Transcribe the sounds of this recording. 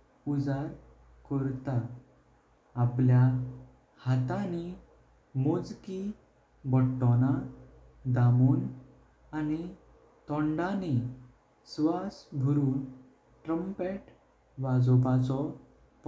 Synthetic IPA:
ud͡zaɾ | kəɾt̪a | plja | hat̪ani | mod͡zki | bəʈːɔna | d̪amuːn | ani | t̪ɔɳɖani | sʋasbʱuɾuːn | ʈɾəmpeʈ | ʋad͡zɔpat͡sɔ | p

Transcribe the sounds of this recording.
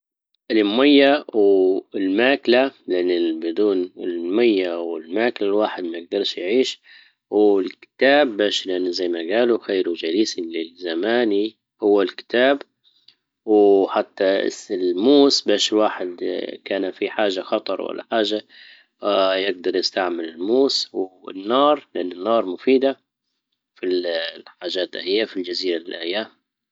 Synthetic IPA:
ʔɪlmajːawɪlmaːklalɪʔanːɪbɪd̪uːnɪlmajːawɪlmaːklalwaːħɪd̪̚majɪɡ̚d̪ɑɾˤʃjʕiːʃ | wlkɪ̥t̪aːbːaːʃlʔanːzajːmaɡaːluxeːɾud͡ʒaliːsilɪzamaːni | hʊwːalkɪ̥t̪aːb | wħat̪ːa̰sɪlmuːsbaːʃɪlwaːħɪd̪kaːnfiħaːʒaxɑt̪ˤɑɾˤwa̰lːa̰ħaːʒa | jɪɡ̚d̪ɑɾˤjɪst̪aʕmɪlɪlmuːswɪ̰nːɑːɾˤlɪʔanːɪnːɑːɾˤmʊfiːd̪a | filħaːʒaːt̪ʔahɪjːafild͡ʒaziːɾalɪlʔajːaːm

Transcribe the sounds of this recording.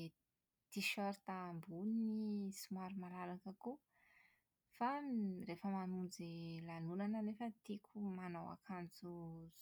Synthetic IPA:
t̪iʃɔɾt̪ambunnisimaɾumalalakəku | faɾefəmanund͡zelanunanənefət̪ikʰumanawa̰kʰant͡suz

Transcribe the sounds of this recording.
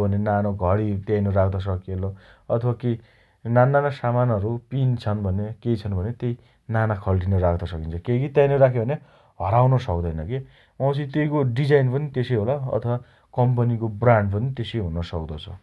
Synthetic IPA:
bʱʌnenanoɡʱʌɽit̪jajnʌɾakʰd̪ʌs̬ʌkeloʌt̪ʰʌwake | nanːanasamanʌɾupint͡sʰʌnbʱʌnekejt͡sʰʌnbʱʌnet̪ej | nanakʰʌlʈ̬inʌrakʰd̪ʌsʌkint͡sʰʌkekit̪jajnʌɾakʰebʱʌne | ɦʌɾawnʌsʌk̚d̪ʌjnʌke | wʌ̃sit̪ejkoɖid͡zajnpʌnit̪esejɦolaʌ̰t̪ʰʌwa | kʌmpʌnikobraɳɖpʌnit̪esejɦunʌsʌkd̪ʌt͡sʰʌ

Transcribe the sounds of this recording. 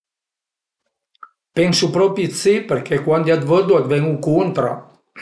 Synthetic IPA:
pɛnsupɾɔpit̪sipəɾkʰekwand̪iad̪vəd̪uad̪vɛŋukunt̪ɾa̰

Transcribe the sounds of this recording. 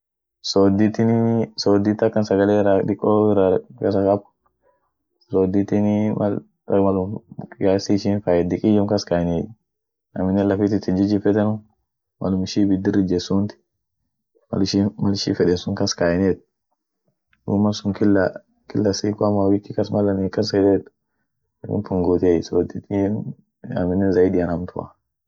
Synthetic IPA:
sod̪it̪ɪnsoːd̪it̪ɐkːɐnsɐɡɐleːɾaᶑɪkʼːoːɪɾakɐsɐkʼɐb | soːd̪it̪ɪnmɐ̰ | ɐmɐlʊmɡasiʃɪnfajɛd̪ɪkʼɪjɔŋkɐskajɪneː | nɐ̰mɪnːɛlɐfiːt̪ɪt̪ːɪnd͡ʒɪd͡ʒɪfɛt̪ɛnʊ | mʔɐ̰lʊmɪʃibɪd̪ɪɾɪd͡ʒɛsunt̪ɪ̥ | ma̰lʃimɐlʃḭfɛdɛnsʊŋkɐskajnet̪̚ | ṵmɐlsʊŋkɪla | kɪlːɐsikamawɪkːɪkɐsmɐlːɐnːkɐs̬ɛdet̪ | kɪ̰npʊŋɡot̪ejsod̪ɪt̪i | ɐ̰mɪnːɛzɐidɪanɐmt̪ʰʊa̰

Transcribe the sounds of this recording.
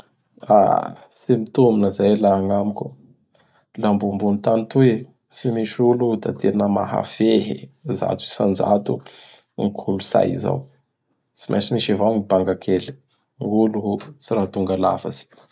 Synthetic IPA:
a̰ | semit̪ominəzajlaaŋamikʲu | lambumbunit̪anit̪ue | simiʃulud̪ad̪einəma̰ɦa̰feɦiza̰t͡su̥sand͡ʒa̰t̪u | ŋkʰulusa̰jḭza̰w | t͡simʔa̰simiʃavaŋibaŋɡakʰeli̥ | ulut͡siɾat̪uŋɡalafa̰z̥i̥

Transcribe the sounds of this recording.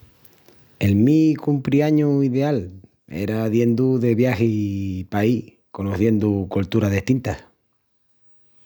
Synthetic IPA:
e̞lmikumpɾiaɲuiðe̞al | ḛɾaðje̞nd̪uðe̞βjahepai | ko̞noθje̞nd̪ukolt̪uɾaðeht̪int̪a

